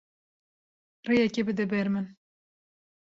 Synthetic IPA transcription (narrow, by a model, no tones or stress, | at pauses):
rejɛkebɨd̪ɛbɛɾmɨn